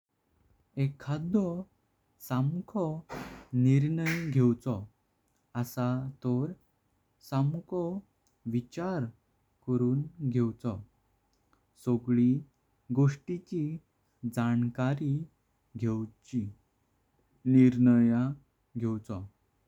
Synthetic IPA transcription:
ekʰad̪ɔ | samkʰɔniɾɳəjɡʱewt͡sɔ | əsat̪ɔɾ | samkɔ | ʋit͡ɕaɾ | kəɾuːnɡʱewt͡sɔ | sɔɡɭi | ɡoʂʈit͡ɕi | d͡zankaɾi | ɡʱewt͡ɕi | niɾnəja | ɡʱewt͡sɔ

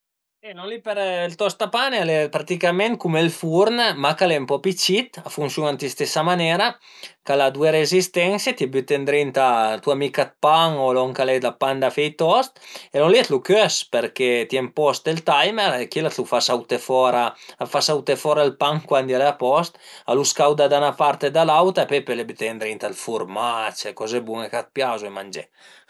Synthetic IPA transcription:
silɔlipeɾlt̪ɔst̪apanealɛpɾat̪ikamɛnt̪̚kumelfuɾnmakalɛmpɔpit͡ʃit̪afunsjunant̪ist̪esamanɛɾa | kalad̪ueɾezist̪ɛnsjet̪iɛbyt̪end̪ɾint̪at̪uamikat̪̚paŋolɔŋkalɛd̪apand̪afɛjt̪ɔst̪elɔlit̪lukøspeɾket̪jɛmpɔst̪elt̪ajmɛɾekilat̪lufasawt̪efɔɾaafasawt̪efɔːɾaalpaŋkwand̪jaleapɔst̪aluskawd̪ad̪anapaɾt̪ed̪alawt̪apɛpølebyt̪end̪ɾint̪alfuɾmat͡ʃekɔzebuŋekat̪̚pjazuemand͡ʒɛ̰

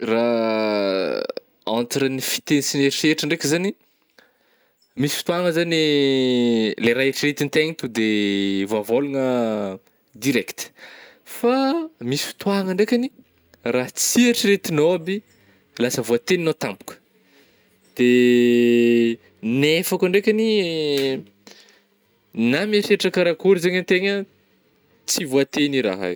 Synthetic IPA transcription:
ra | ãnt̪iɾənifi̥t̪enisineɾʈ͡ʂeʈ͡ʂəɳɖ͡ʐekʲəzani | misi̥fi̥t̪waŋəzani | leɾaeʈ͡ʂiret̪int̪eŋit̪ud̪evoavoluŋə | d̪iɾɛkt̪ə̥ | famisi̥fi̥t̪waŋəɳɖ͡ʐekʲani | raɦt͡siaʈ͡ʂiɾet̪inobi | lasəvoat̪eninot̪ampu̥kə̥ | d̪̥e | nefakaɳɖ͡ʐekʲani | namaʃeʈ͡ʂakəɾakuɾizeɲənt̪eɲə | t͡sivoat̪eniɾa̰ɦa̰j

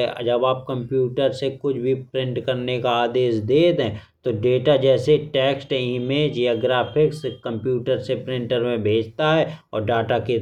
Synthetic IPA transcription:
d͡ʒɐbaːp̚kɐ̃mpjuːʈəɾsekʊt͡ʃʰbʱipɾɪ̃ɳʈkɐɾnekaaːd̪eːsd̪eːd̪ɛ̃ːt̪oɖeːʈad͡ʒɛːseʈɛːksʈɪɦmẽd͡ʒioːɡɾaːpʰɪkskɐ̃mpjuːʈəɾsepɾɪ̃ɳʈəɾmẽbʱeːd͡ʒʱt̪aɦɛɔ̰ːɾɖaːʈake

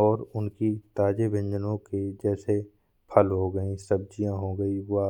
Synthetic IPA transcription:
ɔːɾʊnkit̪aːd͡ʒebɪ̃ɲd͡ʒənõked͡ʒɛːse | pʰəlɦoɡəĩsɐb̚d͡ʒijãɦoɡəia

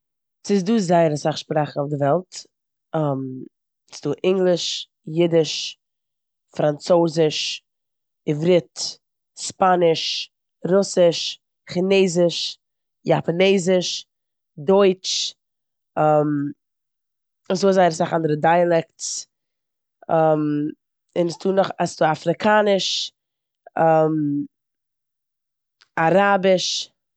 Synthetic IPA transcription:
sɪs̬duːzaɪəɾəsaχʃpɾaχn̩ʊfdɪvɛlˠt | am | sduːʔɪŋɡlˠɪʃ | jɪdɪʃ | fɾant͡soːzɪʃ | ɪvɾɪt | spanɪʃ | ɾʊsɪʃ | χɪneːzɪʃ | japaneːzɪʃ | dɔɪt͡ʃ | ɛm | ɪnsoːzaɪɾsaχandəɾədaɪalˠɛkts | ɛm | ɪnstuːnɔχastuːafɾɪkʰaːnɪʃ | ɛm | aɾabɪʃ

